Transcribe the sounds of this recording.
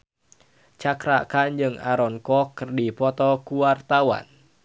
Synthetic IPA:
t͡ʃakɾakand͡ʒɨŋaɾɔŋkɔkːɨrdipɔt̪ɔkuwart̪awa̰n

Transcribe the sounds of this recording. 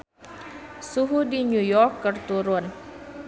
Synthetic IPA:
suɦudiɲujɔrkːərt̪uɾʊn

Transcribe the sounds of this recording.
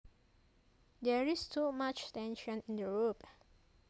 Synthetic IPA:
dɛɹistʰumat͡ʃtɛ̃nʃɔ̃nĩndəɹop

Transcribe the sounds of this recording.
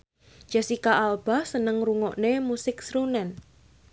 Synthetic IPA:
ʒ̥a̤sikaʔalb̥a̤hsənəŋruŋɔʔnemusɪksɾunɛn

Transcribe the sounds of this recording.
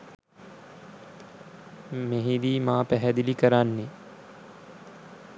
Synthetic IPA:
mẽɦĩd̪iːmaːpɛɦɛd̪ilikɐɾaːnːe

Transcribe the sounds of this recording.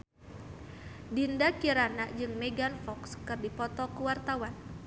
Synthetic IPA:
dindakiɾanad͡ʒɨŋmeɡanfɔkskɨrdipɔt̪ɔkuwart̪awan

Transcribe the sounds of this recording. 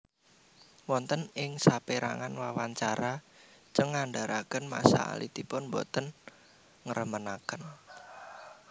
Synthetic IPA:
wɔnt̪ənɪŋsapeɾa̰ŋanwawaɲt͡ʃaɾa | t͡ʃəŋːaɳɖaɾakənma̰sa̰a̰lḭt̪ipʊnbɔt̪ən | ŋəɾəmənakən

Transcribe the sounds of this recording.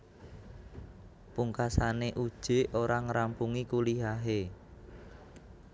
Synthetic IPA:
puŋkasaneʔud̥ʒ̥e̤oɾaŋəɾampuŋikuliɦaɦe

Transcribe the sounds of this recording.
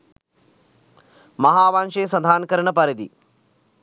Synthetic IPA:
mɐɦaːʋaːnʃeːsɐd̪ʱaːnkɐɾɐɳɐpɐɾɐd̪ḭ

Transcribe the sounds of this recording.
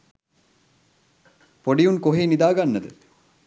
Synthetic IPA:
poɖijuŋkoɦiːnid̪aːɡanːəd̪ə

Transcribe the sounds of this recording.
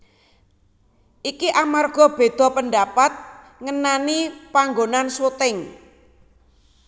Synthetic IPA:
ʔikiʔamarɡ̥ɔ̤b̥e̤d̪̥ɔ̤pəndapat̪̚ | ŋənanipaŋɡonansut̪ɪŋ

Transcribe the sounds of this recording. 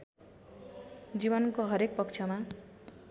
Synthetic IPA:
d͡zibʌnkoɦʌɾek̚pʌkt͡sʰjʌma

